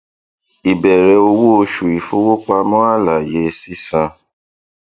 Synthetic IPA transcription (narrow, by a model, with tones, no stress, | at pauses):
i˨bɛ˨ɾɛ˧˦o˧wo˦o˧ʃu˨i˨fo˦wo˦k͡pa˧mɔ̃˦a˦la˨je˧˦si˦sã˧